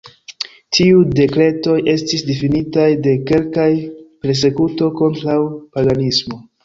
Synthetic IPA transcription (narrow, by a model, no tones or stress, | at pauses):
tʰiude̞kɾe̞to̞jʔe̞stisdifinitajde̞ke̞lkajpe̞ɾs̬e̞kuto̞ko̞ntɾawpaɡanismo̞